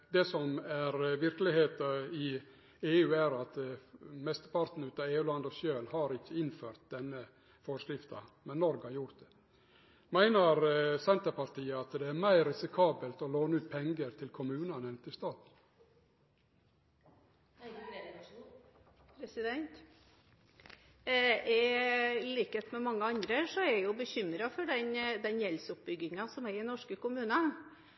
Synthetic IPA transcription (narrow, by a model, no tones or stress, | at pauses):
d̪ɛsɔmæɾʋɪɾkəlɪheːt̪əɪ | eːʉːæɾɑt̪mɛst̪əpɑɾt̪n̩ʉːt̪ɑeːʉːlɑnd̪ɔsjøːlhɑɾɪçːəɪnføːɾt̪̚d̪ɛnːə | fɔʂkɾɪft̪ɑ̰mɛnːɔɾɡɑɾjʊɾt̪̚d̪ɛ | mæɪnəɾsɛnt̪əɾpɑɾt̪iːəɑt̪d̪ɛæɾmæɪɾɪsɪkʰɑːbəlt̪ɔloːnəʉːt̪̚pʰɛŋɡəɾt̪ʰɪlkʰʊmʉːnɑnɛnt̪ʰɪst̪ɑːt̪ | pɾɛsɪd̪ɛnt̪ | ɛliːkət̪mɛmɑŋːəɑnd̪ɾəsɔɛɾjʊbəçʏmːɾɑfɔɖɛnd̪ɛnjɛlsʊp̚bʏɡɪŋɑsɔmæɾɪnɔʂkəkʊmʉːnə